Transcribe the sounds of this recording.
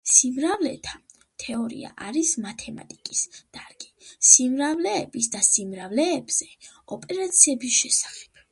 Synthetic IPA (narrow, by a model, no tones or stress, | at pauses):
simɾavlɛt̪ʰa | t̪ʰɛɔɾḭa̰ʔaɾismat̪ʰɛma̰t̪ʼikʼisd̪̥aɾɡi̥simɾavlɛːbisd̪asimɾavlɛːbz̥ɛɔpʼɛɾat̪sʰiɛbisʃɛsḁχɛ̥b̥̚